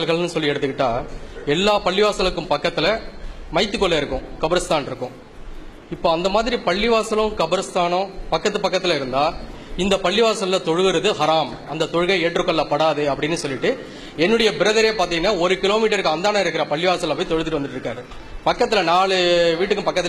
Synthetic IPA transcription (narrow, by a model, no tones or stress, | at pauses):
lɣɐɭnɯsɔlːiɛɽɯt̪ːɯkːɪʈːaːɛlːaːpɐɭːɪʋaːsɐlɯkːɯmpɐkːɐt̪ːɪlɐmɐɪt̪ːɯkːɔɭːɐɪɾɯkːʊ̃kɐbɐɾɐst̪aːnɪɾɯkːʊ̃ | ɪpːoːɐnd̪ɐmaːðɪɾipɐɭːɪʋaːsɐlʊ̃kɐbɐɾɐst̪aːnɐ̃pɐkːɐt̪ːɯpɐkːɐt̪ːɪlɐɪɾɯnd̪aː | ɪnd̪ɐpɐɭːɪʋaːsɐllɐt̪ɔɻɯɣɯɾɐðɯhɐɾaːmɐnd̪ɐt̪ɔɻɯɣɐɪeːʈɾɯkːɐlːaːpɐɽaːðɯɐpːɐɽɪnːɯsɔlːɪʈːɯ | ɛnːɯɽɐjɐbɪɾɐðɐɾeːpaːɾt̪iːŋɡɐnːaːɔɾɯkɪloːmiːʈːɐɾɯkːɯɐnd̪aːnaːɪɾɯkːɪɾɐpɐɭːɪʋaːsɐlɐpːjt̪ɔɻɯt̪ɪʈːɯʋɐnd̪ɯʈːɪɾɯkːaːɾɯ | pɐkːɐt̪̬ːɪlɐnaːɭɯʋiːʈːɯkːɯmpɐkːɐt̪ːɪ